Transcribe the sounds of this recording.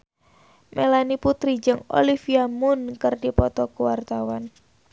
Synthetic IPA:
mʔelaniput̪ɾid͡ʒəŋo̰lifiamʊnkərdipɔt̪ɔkuwart̪awan

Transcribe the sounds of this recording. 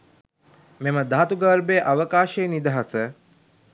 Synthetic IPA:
meməd̪aɦt̪uɡəːɾbeːʔaʋəkaːʃejːnid̪əɦasə

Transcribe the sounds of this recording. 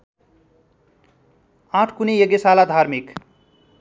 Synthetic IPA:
ãʈʰkunejʌɡesalad̪ʱarmik

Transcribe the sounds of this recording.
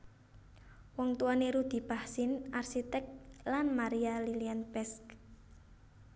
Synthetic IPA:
wɔŋt̪uaneɾud̪̥i̤b̥ahsɪnarsit̪ɛk̚t̪lanmaɾialilianpɛsk

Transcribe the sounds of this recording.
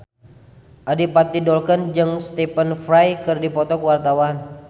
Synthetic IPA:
ʔadipat̪ːidɔlkənd͡ʒɨŋst̪ipənfɾajkɨrdipɔt̪ɔkwart̪awan

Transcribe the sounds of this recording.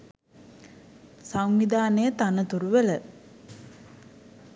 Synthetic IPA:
saŋʋid̪ʱaːnəjət̪anət̪uɾuʋelə

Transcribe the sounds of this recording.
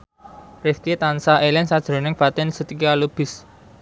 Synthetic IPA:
reskit̪ansaʔelɛnsad̥ʒ̥ɾo̤nɪŋpat̪ɛnsət̪ikalub̥ɪ̤s

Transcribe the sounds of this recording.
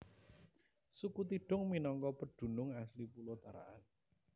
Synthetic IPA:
sukut̪iɖ̥ʊ̤ŋminɔŋkɔpəɖ̥ṳnʊŋaslipulɔt̪aɾa̰ʔan

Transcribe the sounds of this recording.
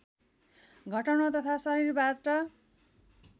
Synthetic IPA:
ɡʱʌʈʌnot̪ʌt̪ʰasʌɾirbaʈʌ

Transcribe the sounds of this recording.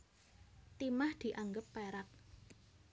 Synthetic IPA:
t̪imahd̪̥i̤ʔaŋɡəpːeɾak̚

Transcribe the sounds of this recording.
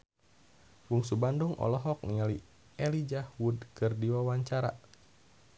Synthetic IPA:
wuŋsubanduŋʔɔ̰lɔɦɔk̚niali | ɛlid͡ʒahwudkɨrdiwawaɲt͡ʃaɾa̰

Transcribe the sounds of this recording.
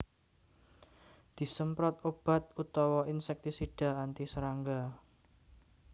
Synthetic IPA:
d̪̥i̤səmpɾɔt̪̚ob̥a̤t̪̚ut̪ɔwɔinsɛk̚t̪isiɖ̥a̤ant̪isəɾaŋɡa

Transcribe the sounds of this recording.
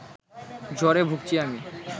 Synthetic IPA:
d͡ʑʱɔɾebʱuk̚t͡ɕʰiami

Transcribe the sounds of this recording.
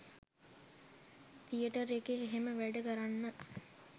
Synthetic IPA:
t̪ijəʈəɾekeːɦeməʋæɖəkəɾanːə

